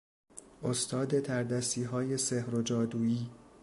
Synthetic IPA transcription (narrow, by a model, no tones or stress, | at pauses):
ʔost̪ʰɒːd̪et̪ʰæɾd̪æsiːɦɒːje̞sehɾod͡ʒɒːd̪uːiː